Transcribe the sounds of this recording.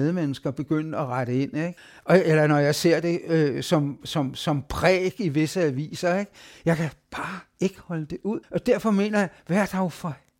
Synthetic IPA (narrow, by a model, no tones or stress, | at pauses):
ðˠmenəsɡ̥ɐb̥e̝ɡ̥øn̰ɒʁɑɾ̥əe̝n̰eɡ̥ | ɒ̽elɐnɒjɑ̈ɪse̝ɐ̰d̥e̝øsɒ̽msɒ̽msɒ̽mpʰʁɛ̰ːɡ̥iʋe̝səæʋḭːsɐeɡ̥jɑ̈ɪkʰæb̥ɑ̈ːe̝ɡ̥əhɒ̽ləd̥e̝ʔuð̰ˠɒ̽d̥æɐ̰fɒ̽me̝̰ːnɐjɑ̈ɪʋæɐd̥ɑ̈ofɒ